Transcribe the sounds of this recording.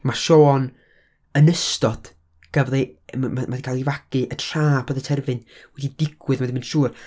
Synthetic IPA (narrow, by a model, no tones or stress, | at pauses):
maʃoːn | ənəstɔd̥ | ɡ̥əvlɨmamaðikʰalˠivaɡ̥ɨʔətʰraːpʰəðətʰɛrvɨnwɛdidɪɡwɨðmadimənʃuːr